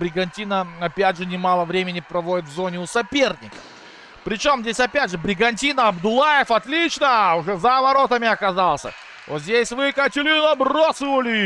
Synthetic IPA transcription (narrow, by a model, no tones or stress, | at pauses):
bɾʲɪɡɐnʲtʲinəɐpʲædʲʐɨnʲɪmalˠəvɾʲemʲɪnʲɪpɾɐvo̞dʲɪt̪vzo̞nʲɪʊsɐpʲe̞rnʲɪ̰kə̥ | pɾʲɪt͡ɕo̞mzʲdʲesʲɐpʲædʲʐɨbɾʲɪɡɐnʲtʲinəɐbd̪ʊlˠajɪfɐt̪lʲit͡ɕnəʊʐɛzɐvɐɾo̞t̪əmʲɪɐkɐzalˠsʲə̰ | vozʲdʲesʲvɨkətʲɪlʲinəbrosəvəlʲɪ